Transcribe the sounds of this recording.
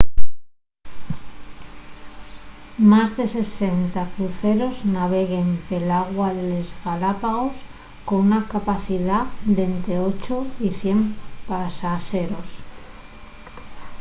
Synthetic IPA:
mazðe̞se̞sent̪akɾuθeɾoznaβ̞e̞ɣe̞mpelaɣwaðe̞lezɣalapaɣo̞s | konunakapaθiðad̪e̞nt̪ɾeot͡ʃoiθje̞mpasaʃeɾos

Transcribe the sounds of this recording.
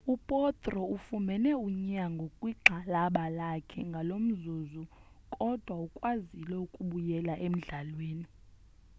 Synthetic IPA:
upʼɔt̪ʼrɔufumɛnɛuɲaŋɡʱokʼwiǁʱalaɓalakʰɛŋɡʱalom̩zuzu | kʼɔd̥ʱwaukʼwazilɛukʼuɓujɛlaʔem̩ɮalweːni

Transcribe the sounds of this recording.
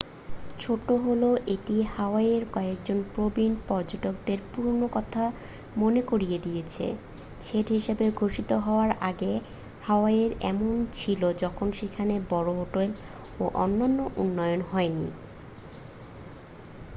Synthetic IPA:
t͡ɕʰoʈoɦoloʔeʈihaoaeɾkɔek̚d͡ʑonpɾobinpɔɾd͡ʑoʈokd̪eɾpuɾnokɔt̪ʰa | monekoɾijed̪ijet͡ɕʰḛ | t͡ɕʰeʈɦiʃabeɡʱoʃit̪oɦɔoaɾʔaɡe | haoaeɾɛ̰mont͡ɕʰilod͡ʑɔkʰonʃekʰanebɔɾoɦoʈel | oʔɔnːanːoʔunːɔjonɦɔenḭ

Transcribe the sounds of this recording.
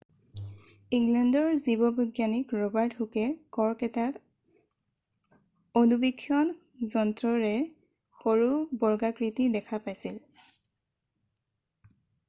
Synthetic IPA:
iŋlɛndɔɹzibɔbɔɡjanikɹɔbaɹthukɛkɔɹkɛtat | onubikʰːjɔn | zɔntɹɔɹɛ | xoɹubɔɹɡakɹitidɛkʰapajsil

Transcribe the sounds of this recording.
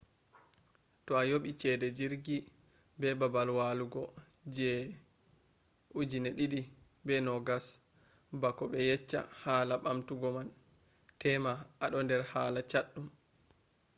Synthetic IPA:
tɔajoɓit͡ʃɛdɛd͡ʒiɾɡi | bɛbabalwaluɡɔ | d͡ʒɛ | ud͡ʒinɛɗiɗi | bɛnɔɡas | bakɔɓɛjɛt͡ʃːa̰haːlaɓamtuɡɔman | tɛmaaɗɔndɛɾhaːlat͡ʃaɗːum

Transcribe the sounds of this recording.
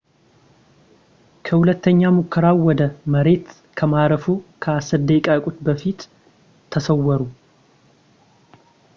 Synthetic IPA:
kʰəhulət̪ʰːəɲːamukʰːəɾawwːɔd̪əməɾe̞t̪ | kʰəmaɾəfukʰəasɨɾd̪ekʼakʼut̪bəfit̪ʰː | əsəwːɔɾu

